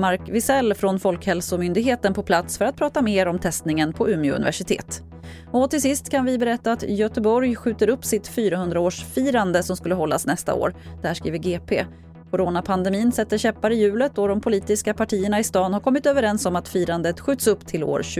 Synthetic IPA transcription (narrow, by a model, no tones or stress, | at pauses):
maɾkvɪsɛlːfɾɔnfɔlkhɛlsʊmʏnd̪ɪɡɦeːt̪ənpʰɔpʰlat̪sfœɾat̪̚pʰɾɑːt̪ameːɾɔmt̪ʰɛst̪nɪŋənpʰɔʉ̟mɪɵ̰nɪ̰væ̰ʂɪt̪ʰḛːt̪ | ɔt̪ɪlsɪst̪kʰanvɪbɛɾɛt̪ːaːt̪jœt̪əbɔɾjɧʉ̟ːt̪əɾɵpːsɪt̪fyːɾahɵnd̪ɾaoːʂfiːɾand̪əsɔmskɵlːəɦɔlːa̰snɛst̪a̰o̰ːɾd̪̥hæːʂkɾḭːvəɡeːpʰeː | kʰʊɾoːnapʰand̪ɛmiːnsɛt̪ːəɕɛpːaɾɪjʉ̟ːlət̪ɔd̪ɔmpʰʊliːt̪ɪskapʰaʈʰiːəɳaɪst̪ɑːnhaɾkʰɔmːɪt̪øːvəɾɛnsɔmat̪fiːɾand̪ət̪ɧʉ̟ːt̪sɵpːt̪ʰɪlo̰ːɾ